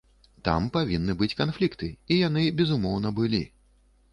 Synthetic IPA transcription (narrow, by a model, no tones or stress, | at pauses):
t̪a̰mpavʲinːɨbɨt͡sʲkanflʲikt̪ɨijanɨbʲɛzumɔwn̪ɐbɨlʲi